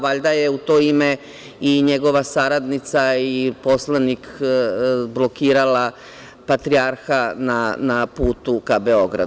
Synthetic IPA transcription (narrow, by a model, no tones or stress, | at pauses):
ʋaʎd̪ajeut̪o̞ːime | iɲeɡo̞ʋasaɾad̪nit̪saipo̞slanik | blˠo̞kiːɾala | pat̪ɾiaɾxananapuːt̪ukabeo̞ɡɾa̰